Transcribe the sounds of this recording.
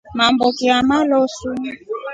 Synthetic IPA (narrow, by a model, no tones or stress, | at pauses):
mambɔkiamalɔsu